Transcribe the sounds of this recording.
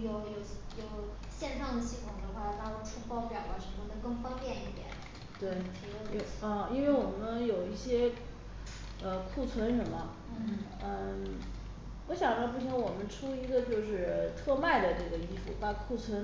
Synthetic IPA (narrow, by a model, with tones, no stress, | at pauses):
jo˨˧˩ʊjo˨˩jo˨˩ʊ | ɕjɛ˥˧nʂɑ˥˩ŋd̪ə˩ɕi˥˩t̪ʰʊ˨˩ŋd̪ə˧˥xwa˥˩lt̪ɑ˥˧lu˧˥ʈ͡ʂʰu˥pwɑ˥ʊpjɑ˧˥ʊwa˧˩ʂə˧˥mə˥˧˩nə˧˥kɤ˥˩˧ŋfɑ˥ŋpjɛ˥˧ni˥˩t̪jɛ̰˨˩˦n | t̪we˥˩ɪt̪ʰi˧˥o˧˩ə˥˧i˥nwe˥˩ɪwɔ˨˩mə˦njo˨˩ʊi˥˩ɕjɛ˥ | ə˧kʰu˥˩t͡sʰwə˧˥nʂə˧˥mə˧ | ə˥˧ | wɔ˧˥ɕjɑ˨˩ŋd̪ə˥˧p̬u˥˩ɕʰi˧˥ŋwɔ˨˩mə˦nʈ͡ʂʰu˥i˧˥ɡə˧t͡ɕjo˥˧ʊʂɻ̩˥˧t̪ʰɤ˥˧ma˥˩ɪd̪ə˩ʈ͡ʂɤ˥˩ɡə˩i˥fṵ˧˩pa˥˩kʰu˥˩t͡sʰwə˧˥n